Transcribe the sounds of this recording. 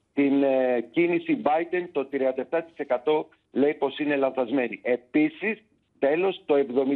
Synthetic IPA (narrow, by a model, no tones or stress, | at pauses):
t̪incinisibɐjd̪e̞nt̪o̞t̪ɾiɐnd̪ɐeft̪ɐt̪i̥se̞kɐt̪o̞ | le̞ipo̞sine̞lɐnθɐzme̞nie̞pisis | t̪e̞lo̞st̪o̞e̞vðo̞mi